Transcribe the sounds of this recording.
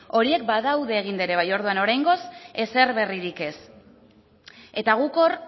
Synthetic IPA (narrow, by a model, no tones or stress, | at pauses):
o̞ɾie̞kbaðawðe̞ːɣ̞ind̪eɾe̞β̞ajo̞ɾð̞uano̞ɾajŋɡo̞se̞se̞rβe̞riɾike̞s | e̞t̪aɣ̞uko̞r